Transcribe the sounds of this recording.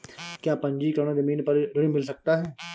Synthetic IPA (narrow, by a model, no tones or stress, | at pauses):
kjaːpɐ̃ɲd͡ʒiːkɾoːñazɐmiːnpɐɾɾʊɽĩmɪls̬ɐk̚t̪aɦɛː